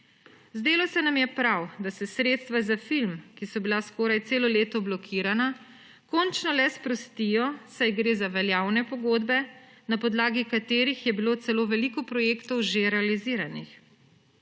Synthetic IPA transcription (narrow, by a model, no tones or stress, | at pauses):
zd̪eːlɔsɛnamjɛpɾawd̪asɛsɾeːt̪st̪ʋazafilmkisɔbilaskɔːɾajt̪seːlɔleːt̪ɔblɔkʰiːɾana | kɔnt͡ʃnɔlɛspɾɔst̪ijɔsajɡɾeːzaʋɛljaːwnɛpɔɡoːd̪bɛ | napɔd̪laːɡikat̪eːɾixjɛbiloːt̪sɛloːʋɛlikɔpɾɔjeːkt̪ɔwʒeɾɛaliziːɾanix